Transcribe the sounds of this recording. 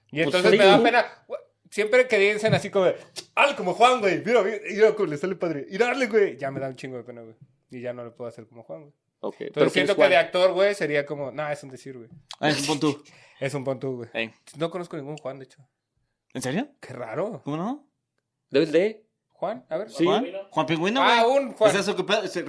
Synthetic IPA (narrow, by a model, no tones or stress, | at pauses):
ient̪o̞nssemeðape̞nae | sje̞mpɾekeβjensenasikomoealko̞moxwaŋɡwejmiɾamiikolestalepaðɾeiɾaɾleɣwejʝame̞ðaunt͡ʃiŋɡoðepenoɣwe | iʝano̞lopweðoase̞ɾkomoxwaŋwej | okḛjp̪osɾsːent̪okeðeak̚t̪o̞ɾɣwejse̞ɾiako̞monaesðond̪esiɾɣweesumpont̪u | esumpont̪uɣweeno̞ko̞no̞skonĩŋɡunxwand̪et͡ʃo | enseɾjokʰera̰ɾokomono | d̪eβeld̪e | xwanaβeɾsianxwampiŋɡwinoeunxwases̬okepeðse